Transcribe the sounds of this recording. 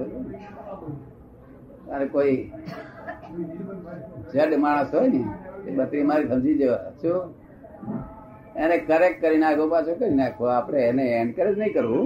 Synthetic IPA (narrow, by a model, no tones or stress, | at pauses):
aɾekoi | d͡ʒəɗmaɽ̃əsɦojnieɓəʈɽimaɾibʱə̃nd͡ʒid͡ʒeʋat͡ʃʰo | enekəɾek̚kːəɾinakʰopat͡ʃʰokəɾinakʰoapɽ̃eːneeɳɖkəɾed͡ʒnəĩkəɾʋũ